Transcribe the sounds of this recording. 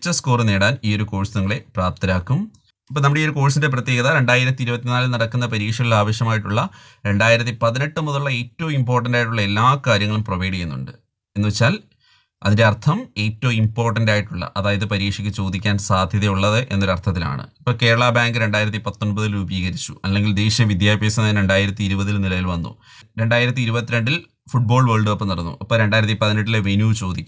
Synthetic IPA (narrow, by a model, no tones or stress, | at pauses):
t͡ɕːɐsko̞ːrɨne̞ːɽaːniːo̞ɾuko̞ːɻsnɐŋːɐɭe̞praːp̚t̪iɾaːkːum | ipːoːnɐmuɽeioɾuko̞ːɻsindep̬rɐt̪ːjeːɣɐðaɾe̞ɳɖaːjiɾɐt̪ːiɾubɐt̪ːinaːlɨnɐɽɐkːunːɐpɐɾiːkʂɐɣɐilaːʋɐɕjɐmaːjiʈːuɭːɐ | ɾe̞ɳɖaːjiɾɐt̪ːipɐðine̞ʈːɨmuðɐuɭːɐe̞ːtːɐʋumimpo̞ːrʈ̬ːɐndaːjiʈːuɭːɐe̞lːaːkaːɾjɐŋːɐɭumprɐʋɐjɽijenːṵɳɖɨ | e̞nːuʋet͡ɕːaːl | ɐ̰ðinde̞ɐrt̪ʰɐme̞ːtːɐmimpo̞ːrʈːɐndaːjiʈːuɭːɐ̰ʔɐðaːjɐðɨpɐɾiːkʂikʲːɨt͡ɕo̞ːd̪ikʲːaːnsaːd̪ʱjɐðjɐjuɭːɐðɨʔe̞nːoɾɐrt̪ʰɐt̪ːila̰ːɳɨ̰ipːoːke̞ːɾɐɭaːbaːŋɡɨɾe̞ɳɖaːjiɾɐt̪̬ːipɐt̪ːonbɐðilubiːɣɐɾit͡ɕːuɐlːe̞ŋɡild̪e̞ːɕjɐʋid̪jaːbʱjeːsɐnnɾe̞ɳɖaːjiɾɐt̪ːiiɾubɐðilnilɐjilʋɐnːṵ | ɾe̞ɳɖaːjiɾɐt̪̬ːiːɾubɐt̪ːiɾeɳɖil | fuʈ̚bo̞ːɭʋeːɭɖɨopːɐniɽɐnːṵʔɐpːoːɾe̞ɳɖaːjiɾɐt̪ːipɐðineʈːileʋenjuːt͡ɕo̞ːd̪ikʲː